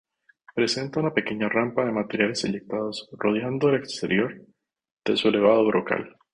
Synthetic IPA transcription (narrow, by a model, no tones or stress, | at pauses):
pɾe̞se̞nt̪aunape̞ke̞ɲarampaðe̞mat̪e̞ɾjale̞seʎek̚t̪að̞o̞sro̞ð̞jand̪oele̞kst̪e̞ɾjo̞ɾ | d̪̥e̞sue̞le̞β̞að̞o̞βɾoka̰l